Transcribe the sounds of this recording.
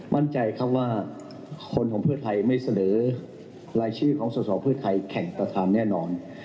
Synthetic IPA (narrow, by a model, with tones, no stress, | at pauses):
mʔa˥˩nt͡ɕa˧jkʰa˦˥p̚waː˥˩ | kʰo˧nkʰɔː˩˦ŋpʰɯ˥˩t̪ʰa˧jma˥˩jsa˧nɤː˩˦ | ɾaː˧jt͡ɕʰiː˧˥˩kʰɔː˩˦ŋsuː˨˩sɔː˨˩˦pʰɯ˥˩ɐt̪ʰa˧jkʰɛ˨˩ŋpɾa˧t̪ʰaː˧nːɛː˥˩nɔː˧n